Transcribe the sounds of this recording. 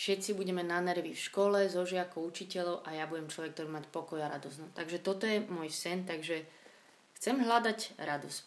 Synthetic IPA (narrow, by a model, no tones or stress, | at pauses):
fʃɛt̪t͡sibuɟɛmɛnanɛɾʋifʃkɔlɛzɔʒɪakɔʊut͡ʃicɛlɔʊʔajabuɟɛmt͡ʃlɔʋɛk̚t̪ɔɾibmacpɔkɔjaɾa̰d̪ɔsnɔt̪aɡʒɛt̪ɔt̪ɔjɛmɔjsɛnt̪aɡʒɛ | xt͡sɛmɦlad̪acɾad̪us